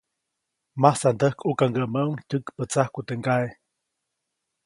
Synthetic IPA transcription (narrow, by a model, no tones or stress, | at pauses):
mahsand̪əhkukaŋɡəʔməuŋc̪ʲəkpət͡sahkut̪eŋɡae